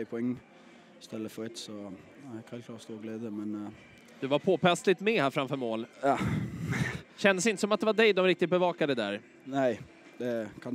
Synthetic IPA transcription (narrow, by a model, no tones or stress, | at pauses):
ɪpʰʊɛŋː | st̪ɛlːəfɔɾɛt̪sɔɛkhɛɪlkʰlɑːt̪st̪uːɾɡleːd̪əmɛn | d̪̥ɵvaɾpʰoːpʰɛst̪lɪt̪mɛhæɾfɾamfœɾmoːljɑ | ɕɛnd̪əsɪnt̪əsɔmat̪̚d̪ɛvaɖɛjd̪ɔmɾɪk̚t̪ɪt̪̚bɛvɑːkad̪əd̪æ̰ɾ | næɪ | d̪̥ɛkʰan